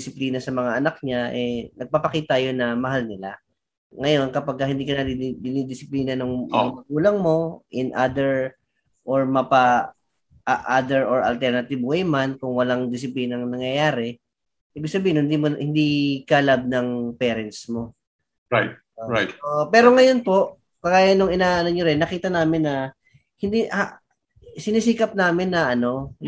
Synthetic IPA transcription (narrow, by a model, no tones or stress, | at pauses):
ɪsɪpliːnɐsɐmɐŋaʔɐnak̚ɲaʔɛnɐɡ̚paːpɐkiːt̪ɐjonɐmɐɦalnɪla | ŋɐjo̞nkɐpaɡ̚kːɐhɪnd̪iːkɐnɐd̪ɪd̪ɪnid̪ɪsɪpliːnɐnʊŋɐŋɐɡuːlɐŋmo̞ʔɪnʔad̪ɛɹ | ʔoɹmɐpa | ʔaʔad̪ɛɹoɹɐ̰lt̪ɛɹnɐt̪ɪbwɛjmankʊŋwɐlaŋd̪ɪs̬ɪpliːnɐŋnɐŋjɐjaːɾɛ | ʔiːbɪɡ̚sɐbiːhɪnhɪnd̪iːmohɪnd̪ikɐlab̚nɐŋpɛːɾɛnt̪smo̞ | ɹajt̪̚ | oɹajt̪̚oʔpɛːɾo̞ŋɐjo̞npo̞ʔ | kɐɡaːjɐnːoŋɪnaːʔɐnoɲoɾɪnːɐkiːt̪ɐnaːmɪnːɐ | hɪnd̪iʔ | sɪnisiːkɐp̚naːmɪnːɐʔɐno̞